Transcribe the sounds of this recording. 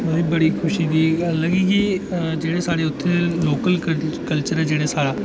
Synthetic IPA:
bɐɦibɐɽikʰʊʃĩɡ̪iləɡiːɡid͡ʒeːɽesaːɽeʊt̪ʰːeloːkəlkkəlt͡ʃəɾɛd͡ʒeːɽesaːɽaː

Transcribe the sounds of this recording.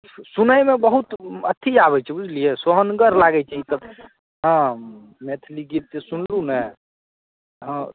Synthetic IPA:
sunəjmebəɦut̪ət̪ʰːid͡ʒaβɛt͡ʃʰɛbud͡ʒʱlijesoɦənɡəɾlaɡɛt͡ʃʰaɦit̪əb | ɦã | met̪ʰliɡit̪̚t̪esunlunɛ | ɦə̃

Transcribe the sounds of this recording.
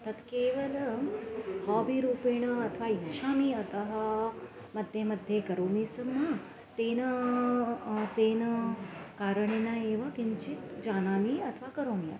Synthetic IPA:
t̪ət̪keːʋələmhɔbiɾuːpeɳ̃əɐt̪ʰʋaitːʃʰamiət̪əɦa | məd̪ʱjemɐd̪ʱjekəɾoːmisəmːã | t̪enə | t̪enəkaːɾəɳ̃enaeʋəkimt͡ʃit̪d͡ʒaːnaːmiət̪ʰʋakəɾoːmija̰

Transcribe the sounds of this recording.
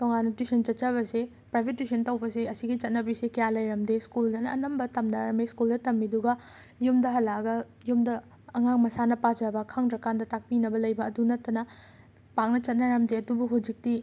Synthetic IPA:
toŋanːɐtisɐnt͡ʃɐtt͡ʃɐβɐse | pɾajbʰʱetːusʰɐntɐwbɐseɐsiɡit͡ʃɐt̚nɐbisekɐjalɐjɾɐmdeskuldɐnɐːnɐmbɐtɐmdaɾɐmeskuldɐtɐmːiduɡɐ | jumdɐɦɐlːaɡɐ | jumdɐː | ŋaŋmɐsanɐpad͡ʒɐbɐkʰaŋdɾɐkandɐtak̚pinɐbɐlɐjbɐːdunɐtːɐnɐ | paŋnɐt͡ʃɐt̚nɐɾɐmdeɐdubuɦud͡ʒik̚ti

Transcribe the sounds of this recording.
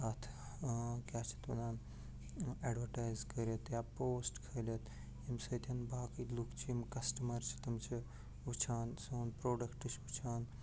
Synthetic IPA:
at̪ʰ | kjaːt͡ʃʰi̥t̪ɐnaːn | eɖʋəʈaːjzkəɾjɐt̪japoːsʈkʰəlɐt̪ | imsət̪ʰɐnbaːkilukt͡ʃʰiimkɐsʈɐmɐɾt͡ʃʰi̥t̪ɐmt͡ʃʰi | ut͡ʃʰaːnsoːnpɾoːɖɐkʈɨt͡ʃʰut͡ʃʰaːn

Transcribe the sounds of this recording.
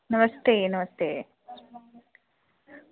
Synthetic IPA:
nɐmɐst̪eːnɐmɐst̪eː

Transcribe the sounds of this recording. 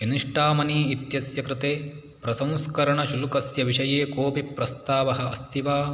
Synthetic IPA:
iniʂʈaːmɐniːit̪jɐsjɐkɾɪt̪eː | pɾɐsɐ̃m̃skɐɾɐɳɐʃulukɐsjɐʋiʃɐjeːkoːpipɾɐst̪aːʋɐɦɐɐst̪iʋaː

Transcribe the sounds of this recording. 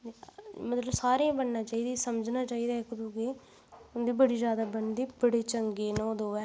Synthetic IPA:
mət̪ləbsaːɾeãːbəɳnaːt͡ʃaːiːd̪iːsəməd͡ʒnaːt͡ʃaːiːd̪aːkʊd̪ũːke | d̪iːbəɽiːzjaːd̪aːbənd̪iːbəɽeːt͡ʃəŋɡeːnɔ̃ːd̪oːɛː

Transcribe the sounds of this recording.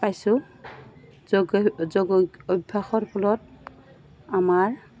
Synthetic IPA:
pajsʊ | ɡzɔɡɔobʱːaxɔɹpʰɔlɔt̚ | amaɹ

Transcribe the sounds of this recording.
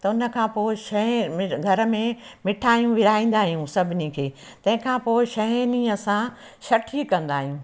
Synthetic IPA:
t̪ɐʊnə̆kʰãːpoːɪʃɐẽmɪɡʱɐɾə̆mẽmɪʈʰaːijũʋɪɾaːĩːn̆d̪aːɦijũsɐbʱɪnikʰeː | t̪ɐ̃ɦɪ̃kʰãːpoːɪʃɐniɐsã | ʃɐʈʰikɐ̃nd̪aːɦijũː

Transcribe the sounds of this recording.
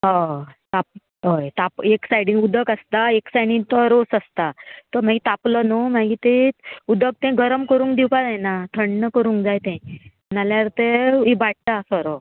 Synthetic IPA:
ɦat̪ap̚ | ɦojt̪apeksajɽĩnud̪əkəst̪aeksajɽĩnt̪ɔɾosəst̪at̪əm̤aɡit̪aplənomaɡit̪eud̪ək̚t̪ɛ̃ɡʱəɾəmkəɾũːŋkd̪iwkad͡zajnat̪ʰəɳɖnəkəɾũːŋkd͡zajt̪ɛ̃ | naljaɾt̪eibaʈ̚t̪asɔɾɔ

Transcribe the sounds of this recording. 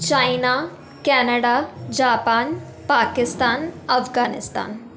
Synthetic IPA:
t͡ʃaːina | kɛːnəɖaːd͡ʒaːpaːn | paːkɪst̪aːnɐfɡaːnɪst̪a̰ːn

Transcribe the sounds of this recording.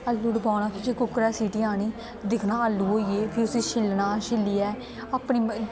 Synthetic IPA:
əlːuːɖəbaːnaːkʰɪt͡ʃːkʊkːɾɛːsiːʈiːaːñiː | d̪ɪkʰnaːəlːuːɦoːiːeːpʰɪɾʊseːʃɪlnaːʃɪlːiːɛː | aːpɳiː

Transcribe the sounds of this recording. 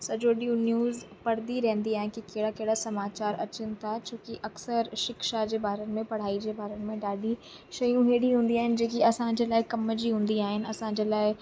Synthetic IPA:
sɐd͡ʑoɗijuːnjuːzpɐɽ̤d̪iɾɛ̃ɦnd̪iaːɦɪnkikeːɽakeːɽasɐmaːt͡ɕaːɾɐ̰t͡ɕənɪ̆t̪ʰat͡ɕõːkiʔɐksəɾʃɪkʃad͡ʑeːbaːɾənɪ̆mẽpɐɽ̤aːid͡ʑeːbʱaːɾənɪ̆mẽɖaːɖi | ʃɐjũɦeːɽiɦũːnd̪iaːɦɪnɪ̆d͡ʑẽːkiɐsãd͡ʑeːlaːɪkɐmd͡ʑiɦũːn̆d̪iaːɦɪnɪ̆ɐsãɲd͡ʑeːlaːɪ

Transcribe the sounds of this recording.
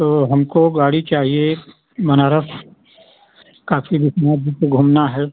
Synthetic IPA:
t̪oːɦɐmkoɡaːɽit͡ʃaːɦie | mɐnaːɾəf | kaːfibɪsmãːd̪ʱikɡʱuːmnaɦɛː

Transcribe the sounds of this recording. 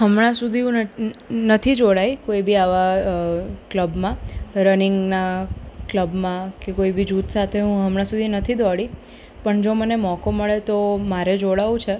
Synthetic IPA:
ɦəmɭãsud̪ʱiũnət̪ʰid͡ʒoɽajkoibiaʋa | kləbmãɾənɪŋɡnakləbmãkekoibid͡ʒut̪sat̪ʰeɦũɦəmɽ̃ãsud̪ʱinət̪ʰid̪ɔɽi | pəɳd͡ʒomənemɔkoməɭet̪omaɾed͡ʒoɽaʋũt͡ʃʰe

